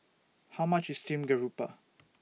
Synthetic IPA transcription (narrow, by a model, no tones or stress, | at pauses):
haʊmat͡ʃɪstʰĩmɡəɹupə̰